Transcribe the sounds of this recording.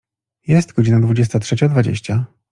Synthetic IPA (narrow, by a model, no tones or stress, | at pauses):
jɛst̪ɡɔd͡ʑinad̪vud͡ʑɛst̪atʂɛt͡ɕad̪vad͡ʑḛɕt͡ɕa